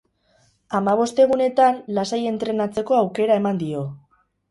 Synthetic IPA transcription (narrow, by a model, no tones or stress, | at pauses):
amaβ̞o̞st̪e̞ɣ̞une̞t̪anlasaje̞nt̪ɾe̞nat͡se̞ko̞awke̞ɾae̞mand̪io̞